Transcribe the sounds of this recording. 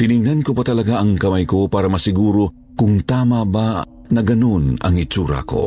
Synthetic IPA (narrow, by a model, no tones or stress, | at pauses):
t̪ɪnɪŋnankopɐt̪ɐlɐɡaʔɐŋkɐmajkopaːɾɐmɐsɪɡuːɾo | kʊŋt̪aːmaba | nɐɡɐnonɐ̰ŋɪt͡ʃuːɾa̰ko̰